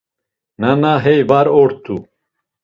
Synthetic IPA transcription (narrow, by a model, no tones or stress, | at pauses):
nanaɦɛjvaɾɔɾt̪ʰu